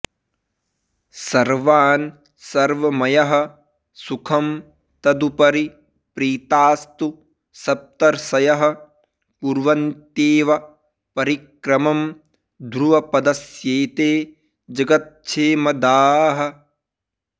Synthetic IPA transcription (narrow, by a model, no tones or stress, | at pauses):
sɐɾʋaːn | sɐɾʋɐmɐjɐɦɐ̆ | sukʰɐm | t̪ɐd̪upɐɾi | pɾiːt̪aːst̪u | sɐp̚t̪ɐɾsɐjɐɦɐ̆ | puɾʋɐnt̪eːʋɐ | pɐɾikɾɐmɐm | d̪ɾuʋɐpɐd̪ɐsjeːt̪eː | d͡ʒɐɡɐt̪̚t͡ʃʰeːmɐd̪aːɦɐ̆